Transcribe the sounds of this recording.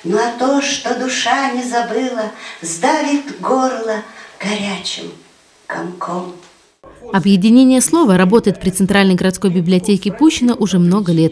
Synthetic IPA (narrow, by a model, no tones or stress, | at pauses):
noɐt̪oʂt̪od̪ʊʂanʲɪzɐbɨlˠəzd̪avʲɪt̪ɡorlˠəɡ̥ɐɾʲat͡ɕɪ̰m | kɐ̰mkʰom | ɐbjɪdʲɪnʲenʲɪjəslˠo̞vəɾɐbo̞t̪əjɪt̪̚pɾʲɪt̪sɨnt̪ɾalʲnəjɡəɾɐt̪sko̞jbʲɪblʲɪɐtʲekʲɪpuɕːɪnəʔʊʐɛmno̞ɡəlʲe̞t̪̚